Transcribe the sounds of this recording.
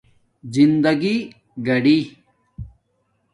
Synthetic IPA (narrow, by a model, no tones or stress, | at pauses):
zind̪ɐɡi | ɡɐɽi